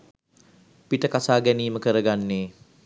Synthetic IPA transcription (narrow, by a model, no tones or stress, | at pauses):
piʈəkasaːɡæniːməkəɾəɡanːeː